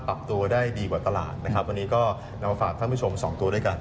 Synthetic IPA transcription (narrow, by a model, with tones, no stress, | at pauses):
pa˨˩p̚t̪u˧ɐdaː˥˩jdiː˧kwaː˨˩t̪a˧la̰ː˨˩t̪̚na˦˥kʰa˦˥p̚wa˧nːiː˦˥kɔː˥˩ | na˦˥ma˧faː˨˩k̪̚ʰa˥˩pu˥˩o˧msɔ̰ː˩˦ŋt̪u˧ɐdu˥˩jka˧n